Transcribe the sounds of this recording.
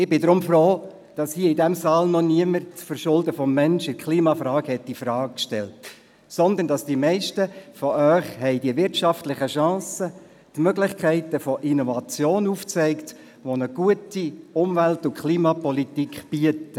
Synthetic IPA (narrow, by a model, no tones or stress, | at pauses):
ɪbɪdɾʊmfroː | d̥ɑshiːəɪdæmsɑːlnɔniəmərt͡sfəɾʃʊldəfɔmːɛnʃɪkχliːmɑfɾɑːkhɛtːifɾɑːɡ̚kʃtɛ̰lt | sɔnd̪əndɑsd̥iəmɛɪʃtəfɔʔœʏχhɛɪdiəʋɪɾtʃɑftlɪχəʃɑ̃ːsə | tmøɡlɪχkʰɛɪtəfɔʔinɔvɑt͡sjoːnuft͡sɛɪkt | ʋonəɡ̥uətiʊmʋæltʊkʰliːmɑpɔlitikχb̥iətə